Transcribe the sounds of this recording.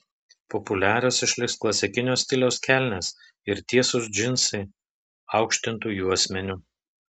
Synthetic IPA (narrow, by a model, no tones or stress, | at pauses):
pɔpʊlʲæːɾʲosɪʃʲlʲɪksklˠɐsʲɛkʲɪnʲoːsʲt̪ʲɪlʲoːskʲæˑlʲnʲeːs | ɪɾt̪ʲiɛsʊsd͡ʒʲɪnsɐɪ | ɑˑʊkʃʲt̪ʲɪnt̪uːjuːɐsʲmʲɛnʲʊ